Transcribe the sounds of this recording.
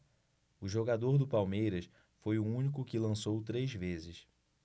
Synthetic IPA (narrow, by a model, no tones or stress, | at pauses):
ʊʒoɡad̪oɾd̪ʊpawmejɾɐs | fojʊũnik̬ʊkɪlɐ̃sowt̪ɾejzvezɪs